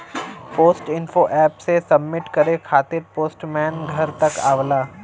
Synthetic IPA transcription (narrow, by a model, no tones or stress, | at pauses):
poːsʈɪnfoʔɛːpsesɐbːɪʈkɐɾekʰaːt̪ɪɾpoːsʈmɛːnɡʱɐɾt̪ɐkaːʋlaː